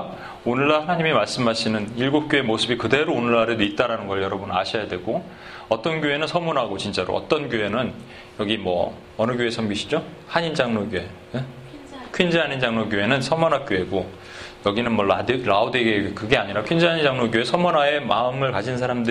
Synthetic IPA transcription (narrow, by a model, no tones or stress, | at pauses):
onɯɭːahanaɲimimaɭs͈ɯmɦaɕʰinɯniɭɡop̚k͈joe̞mosʰɯbikɯde̞ɾoonɯɭːaɾɯdit̚t͈aɾanɯnɡʌɭjʌɾʌbuna̰ɕʰʌjadwe̞ɡo | ʌt͈ʌnɡjoe̞nɯnsʰʌmunɦaɡot͡ɕint͡ɕ͈aɾo̰ʔʌ̰t͈ʌnɡjoɦe̞nɯn | jʌɡimwʌ̰ː | nɯɡjoe̞sʰʌmɡiɕʰi̥d͡ʑo | haɲind͡ʑaŋnoɡjoe̞ | e | kʰɥind͡ʑiaɲind͡ʑaŋnoɡjoe̞nɯnsʰʌmʌnak͈joe̞ɡo | jʌɡinɯnmwʌɭadɯɾaodeɡeɡekɯɡe̞aɲiɾakʰind͡ʑiɦaɲind͡ʑaŋnoɡjoe̞sʰʌmʌnae̞maɯmɯɭkad͡ʑʰinsʰaɾamdɯ